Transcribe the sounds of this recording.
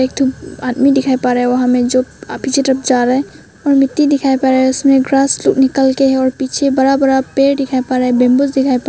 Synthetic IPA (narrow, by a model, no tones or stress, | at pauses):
eːk̚t̪ʰubaːd̪midɪkʰaːepaːɾɦɛʋɐɦãmẽd͡ʒoːpiːt͡ʃʰeʈɾəp̚d͡ʒaːɾɦɛ | ɔːɾmɪt̪ːid̪ɪkʰaːepaɾɦɛʊsmẽɡɾaːslʊknɪkəlkeɦɛɔːɾpiːt͡ʃʰebɐɾabəɾapeːɾɖɪkʰaːepaɾɦɛbẽːmbʊzd̪ɪkʰaːepa